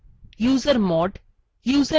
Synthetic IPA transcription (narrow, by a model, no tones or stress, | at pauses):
juːzəɾmɔːʈ | juːzə